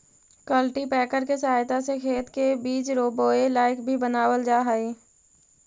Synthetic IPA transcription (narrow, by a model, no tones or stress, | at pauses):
kəlʈipɛːkəɾkesəɦaːjt̪asekʰeːt̪kebiːt͡ʃɾoːboːelaːɪkbʱibənaːwəld͡ʒaːɦaːiː